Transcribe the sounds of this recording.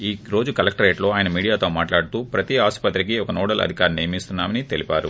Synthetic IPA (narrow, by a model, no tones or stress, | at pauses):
iːɾo̞ːd͡ʒukɐlɐk̚ʈɐɾeːʈlo̞ːaːjɐnɐmiːɽijaːt̪o̞ːmaːʈlaːɽut̪uːpɾɐt̪iaːsu̥pɐt̪ɾik̬iɔkɐnɔːɽɐlɐ̰d̪ʱikaːɾnejɐmist̪unːaːmɐnit̪elipaːɾṵ